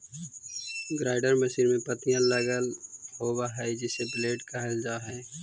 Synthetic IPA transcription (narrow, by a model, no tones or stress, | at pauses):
ɡɾaːɪɖəɾməsiːɾmẽpət̪ijãləɡəlhoːɡaɦɛd͡ʒɪsebleːʈkəɦəld͡ʒaːɦɛː